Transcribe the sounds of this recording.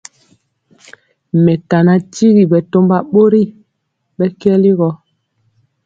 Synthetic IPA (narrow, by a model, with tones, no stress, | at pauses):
mɛ˨ka˨na˨ti˦ɣi˨bɛ˨to˦mba˦ɓo˦ɾi˦˨ | ɓɛ˦kɛ˦li˦ɣɔ˦